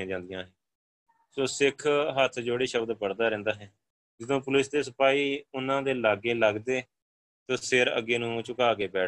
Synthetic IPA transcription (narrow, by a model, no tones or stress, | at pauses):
ãːd͡ʒãːnd̪ɪjãːɦɛ̃ː | soːsɪkʰɦət̪ʰd͡ʒoːɽiːʃəbd̪pəɽd̪aːɾɛ̃ːnd̪aːɦɛː | d͡ʒɪd̪õːpʊlɪsd̪eːsəpaːiːʊnãːd̪eːlaːɡeːləɡd̪eː | t̪oːsɪɾə̰ɡːeːnũːt͡ʃʊkaːk̬eːbɛː